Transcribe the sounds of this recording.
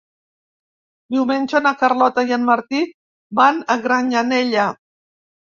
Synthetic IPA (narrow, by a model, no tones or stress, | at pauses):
biument͡ʃonakaɾlot̪ajanmaɾt̪i | banaɣɾaɲaneʎa